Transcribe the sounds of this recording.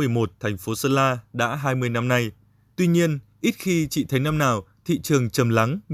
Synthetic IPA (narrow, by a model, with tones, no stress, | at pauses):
ɨ˨˩əjmo˨˩t̚t̪ʰɛ˨˩jŋ̟fo˨˦səː˧laː˧ɗa̰ː˧˥ɦaː˧jmɨ˧əjna˧mna˧j | t̪wi˧ɲi˧ənʔi˦˥t̚xi˧t͡ɕḭ˧˨t̪ʰə˨˦jna˧mnaː˨˩wt̪ʰḭ˧˨t͡ɕɨ˨˩əŋt͡ɕə˨˩mla˨˦ŋ